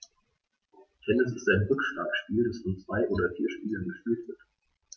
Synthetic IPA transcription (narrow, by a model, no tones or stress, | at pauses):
kʰɛnɪs̬ɪstʔaɪnʁʏkʃla̰ːkʃpiːldasfɔnt͡sv̥aɪʔoːdɐfiːɐʃpiːlənɡəʃpyːltv̥ɪɐt